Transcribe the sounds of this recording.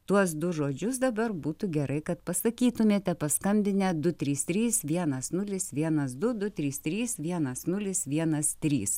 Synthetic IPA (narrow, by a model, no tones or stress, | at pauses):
t̪uɔs̬d̪ʊʒoːd͡ʒʲʊs̬d̪ɐbɐɾbuːt̪uɡʲɛɾʔɐɪkɐt̪pɐsɐkʲiːt̪ʊmʲeːt̪ʲɛpɐskɐmʲbʲɪnʲɛd̪ʊt̪ʲɾʲiːst̪ʲɾʲiːsʋʲiɛnɐsnʊlʲɪsʋʲiɛnɐs̬d̪ʊd̪ʊt̪ʲɾʲiːst̪ʲɾʲiːsʋʲiɛnɐsnʊlʲɪsʋʲiɛnɐst̪ʲɾʲiːs